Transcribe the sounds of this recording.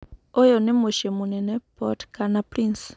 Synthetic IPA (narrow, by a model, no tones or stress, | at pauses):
ojonemoʃemunenepɔtkanapɾins